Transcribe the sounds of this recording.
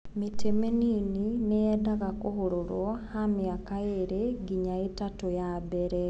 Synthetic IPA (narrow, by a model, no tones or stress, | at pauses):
mitemeninineɛdaɣakohoɾoɾwɔhamjaːkaeɾeɡiɲaetatojabɛɾɛ